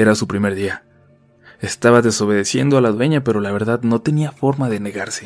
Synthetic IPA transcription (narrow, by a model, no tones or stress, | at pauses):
eɾasupɾime̞ɾðia | est̪aβaðe̞so̞β̞e̞ðe̞sje̞̰nd̪oalaðwe̞ɲape̞ɾo̞laβe̞ɾðaðno̞t̪e̞niafo̞ɾmaðe̞ne̞ɣaɾse̞̥